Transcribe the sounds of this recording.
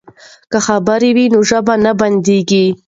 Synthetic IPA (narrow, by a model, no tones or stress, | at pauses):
kəxabəɾewinoʒəbanaband̪eɡi